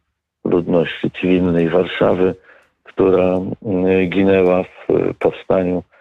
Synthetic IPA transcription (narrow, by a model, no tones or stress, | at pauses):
lud̪nɔɕt͡ɕit̪sɨvʲilnɛjvaɾʂa̰vɘ | kt̪uɾa | ɡʲinɛwafpɔfst̪aɲu